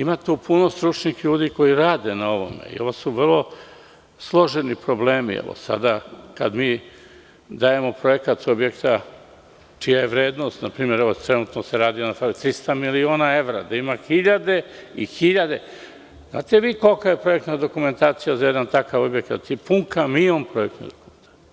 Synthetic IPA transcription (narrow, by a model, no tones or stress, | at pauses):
imat̪upuno̞st̪ɾut͡ʃnixʎuːd̪iːko̞iɾaːd̪e̞nao̞ʋo̞̰mḛḭo̞ʋosuʋərlˠo̞ | slˠo̞ʒenipɾo̞ble̞ːmḭḛʋo̰sa̰d̪akad̪miː | d̪aje̞mo̞pɾo̞jekat̪objekt̪a | t͡ʃijaje̞ʋɾeːd̪nost̪napɾiːmje̞ɾeʋot̪ɾenuːt̪noseɾaːd̪ionafalit̪ɾist̪amilio̞ːnae̞ʋɾa̰d̪aimaxiʎad̪e̞ixiʎad̪e | zna̰ːt̪eʋiːko̞lkaje̞pɾo̞je̞k̚t̪nad̪o̞kume̞nt̪aːt̪sijazajed̪ant̪akaʋo̞bjekt̪a̰t̪ipuŋkamiompɾoje̞kt̪nḛd̪okument̪a